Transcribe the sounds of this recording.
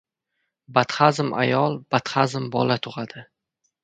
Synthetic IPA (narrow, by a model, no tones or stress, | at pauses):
bat̪χazɪmʔa̰jɒlˠb̥at̪χazɪmbɒ̰lat̪ʰʊʁad̪̥ɪ